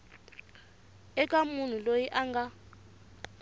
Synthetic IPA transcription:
ɛkʼamun̤ulojiʔaŋɡa

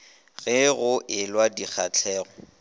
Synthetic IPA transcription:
ɣɪɣʊʔɪlwadik͡xʰat͡ɬʰɛːɣɔ

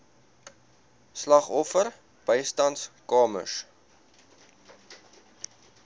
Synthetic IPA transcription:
slɐχɔfər | b̥əjstɐntskɑːmə̰s

